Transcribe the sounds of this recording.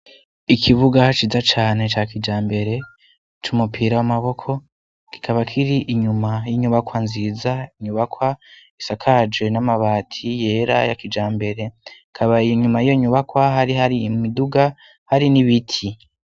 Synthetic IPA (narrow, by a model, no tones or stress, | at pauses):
ikʰiβuɡat͡ʃizat͡ʃaːne̞t͡ʃakid͡ʒaːmbe̞ɾe̞ | t͡ʃumupʰiɾawamaβo̞kʰo̞ | ki̥kʰaβakʰiɾiʔiɲumajiɲuβakwanziːzaiɲuβakwa | isakʰad͡ʒwe̞namaβaːtʰije̞ːɾa̰jakid͡ʒaːmbe̞ɾe̞ | kʰaβaijɲumajijoɲuβakwaɦaɾiɦaɾimumiduɡa | haɾiniβitʰi